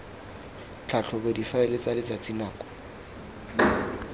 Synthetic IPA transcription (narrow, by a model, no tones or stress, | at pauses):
t͡ɬʰaɬʰɔbedifaɛlet͡sʼalɪt͡sat͡sʼinaːkʼɔ̥